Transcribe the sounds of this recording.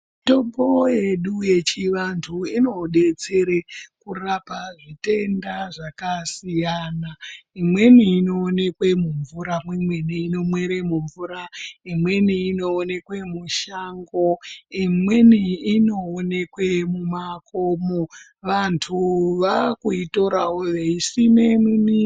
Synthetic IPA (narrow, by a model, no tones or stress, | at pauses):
to̞mboje̞ɗuje̞t͡ʃiʋantʰuino̞ɗe̞t͡se̞ɾekurapaʐite̞ndaʐakasijanaimwe̞niːno̞ːne̞kwe̞muɱvuɾamwimweniːno̞mwe̞ɾe̞muɱvuɾaimwe̞niːno̞ːne̞kwe̞muʃaŋɡo̞imwe̞niːno̞ːne̞kwe̞mumakomo̞ | ʋantʰuʋakuito̞ɾawoʋeisinemini